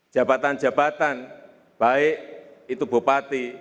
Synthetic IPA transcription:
d͡ʒ̥a̤bat̪and͡ʒabat̪an | b̥aɪʔit̪ubupat̪i

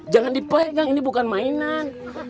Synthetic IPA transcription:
d͡ʒaŋandipɛɛɡaŋinibukanmainan

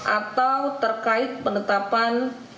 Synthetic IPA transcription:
ʔat̪awt̪ərkaɪt̪̚pəndət̪apan

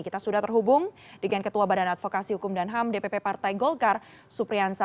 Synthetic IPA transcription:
kit̪asudaht̪ərɦubʊŋdəŋankət̪uabadanat̪̚fokasihukʊmdanɦamdepepepart̪ajɡɔlkar | supɾiansa

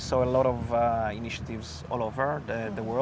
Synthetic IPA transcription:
soʊəlɔɾɔviniʃə̥t̪ɪvz | ɔ̰lˠovə˞ðəwɜ

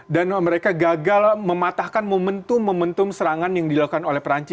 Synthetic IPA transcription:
danməɾekaɡaɡalməmat̪ahkanməmənt̪ʊmːəmənt̪ʊmsəɾaŋanjaŋdilaukanolɛhpəɾaɲt͡ʃɪ

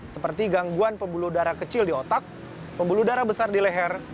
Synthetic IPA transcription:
səpərt̪iɡaŋɡuanpəmbuludaɾakət͡ʃɪldiot̪ak̚ | pəmbuludaɾabəsardilɛɦɛr

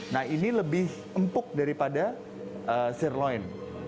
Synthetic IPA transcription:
nahiniləbɪh | əmpʊk̚daɾipada | əsɛrloɛn

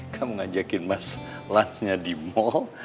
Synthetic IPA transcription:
kʰaməŋad͡ʒakɪnmas | lansɲadimɔl

